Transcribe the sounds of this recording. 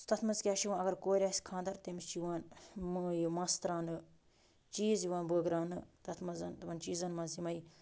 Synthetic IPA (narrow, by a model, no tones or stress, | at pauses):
t̪ɐt̪ʰmɐzkʲjaːʃiʋaːnɐɡɐɾkoːɾʲaːsʲkʰãːnd̪ɐɾt̪emist͡ʃiʋaːnmɨjumɐst̪ɾaːnɨ | t͡ʃiːzjiʋaːnbəːɡɾaːnɨt̪ɐt̪ʰmɐzɐnt̪ɐmɐnt͡ʃiːzɐnmɐzimɐi